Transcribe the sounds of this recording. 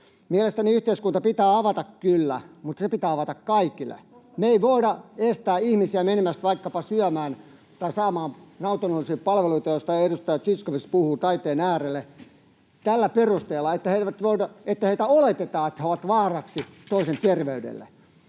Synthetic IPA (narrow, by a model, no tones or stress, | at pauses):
miælest̪æniyht̪eiskunt̪ɑpit̪æːɑʋɑt̪ɑkkylːæ̰mut̪ːɑsepit̪æːɑʋɑt̪ɑkkɑikilːˑḛmeeiʋoidɑest̪æːihmisiæmenemæst̪ʋɑikːɑpɑsyæmæːn | t̪ɑisɑːmɑːmnɑut̪onolːisiːppɑlʋeluit̪ɑjost̪ɑiedust̪ɑjɑt̪siskoʋispuhuːt̪ɑit̪eːnæːrelːe | t̪ælːæperust̪eːlːɑet̪ːæheiʋæt̪ʋoidɑet̪ːæheit̪æolet̪et̪ɑːet̪ːæhæoʋɑt̪ʋɑːrɑksit̪oisent̪erʋeydḛlːḛ